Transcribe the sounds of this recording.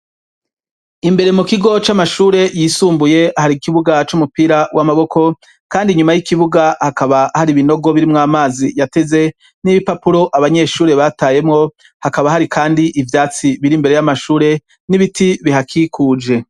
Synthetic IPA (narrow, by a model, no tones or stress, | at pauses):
imbe̞ɾe̞mukiɡo̞t͡ʃamaʃuːɾe̞jiːsuːmbuje̞ahaɾikiβuɡat͡ʃumupiɾawʔamaβo̞kʰo̞ | kaːndiɲumajikiβuɡahakaβahaɾiβino̞ɡo̞βiɾimŋaːmaːzijate̞ze̞ | niβipapuɾo̞ʔaβaɲe̞ːʃuːɾe̞βataːje̞mŋo̞ | hakaβaɦaɾikʰaːndiʔivjaːt͡siβiɾimbeɾe̞jamaʃuːɾe̞ | niβitiβihakʰikʰuːd͡ʒe̞